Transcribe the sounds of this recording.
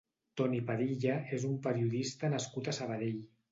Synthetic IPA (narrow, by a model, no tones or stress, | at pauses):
t̪ɔnipaðiʎaezumpəɾiuðist̪anaskut̪asəβ̞aðeʎ